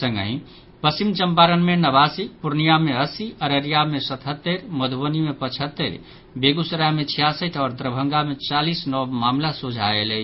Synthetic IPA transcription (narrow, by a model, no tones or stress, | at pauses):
səŋɡə̰ɦĩ | pəsimt͡ʃəmpaɾənmenəβasipuɾnijameəsiʔəɾəɾijamesət̪ʰɦət̪ːəɾməd̪ʱbənimepət͡ʃʰət̪ːəɾ | beɡusɾamet͡ʃʰijasəʈ̪ʰɔɾd̪ɾəbʱəŋɡamet͡ʃalisnɔbmamlasud͡ʒʱaelɛ